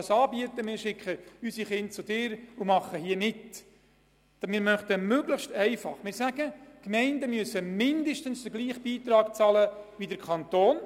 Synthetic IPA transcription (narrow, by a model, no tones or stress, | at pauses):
sɑːbiət̪əmɪːɾʃɪkχəysiχɪnt̚t͡sʊdɪːɾʊmɑχəhiəmɪt | mɪːɾmœχt̪əmøɡləχʃtɛɪfɑ̰χmɪːɾsæɡəkmɛɪndəmyəsəmɪndəʃtənsd̥əɡliːχb̥iːt̪ɾɑːkt͡sɑləʋidəɾkʰɑnt̪oːn